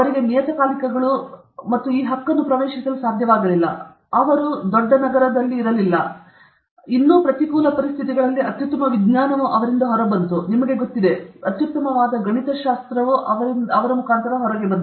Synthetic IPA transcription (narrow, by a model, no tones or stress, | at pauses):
ɐʋɐɾiɡe̞mijɐt̪ɐkaːlikɐɡɐɭu | mɐt̪ːuiːɦɐkːɐnːupɾɐʋeːʃisɐlusaːd̪ʱjɐʋaːɡɐlilːɐ̰ | ɐʋɐɾud̪ɔɖːɐnɐɡɐɾɐd̪ɐlːiːɾɐlilːɐ | inːuːpɾɐt̪ikuːlɐpɐɾist̪ʰit̪̬iɡɐɭɐlːiɐt̪jut̪ːɐmɐʋid̪naːnɐʋuʔɐʋɐɾind̪ɐɦɔɾɐbɐnt̪unimɐɡe̞ɡot̪ːid̪e̞ɐt̪jut̪ːɐmɐʋaːd̪ɐɡɐɳit̪ɐʃaːst̪ɾɐʋuʔɐʋɐɾind̪ɐʋɐɾɐmukʰaːnt̪ɐɾɐɦɔɾɐɡebɐnt̪u